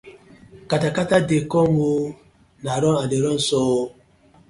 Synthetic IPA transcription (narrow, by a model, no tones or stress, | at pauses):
katakatadekɔŋo | naɾɔadeɾɔn̩sɔ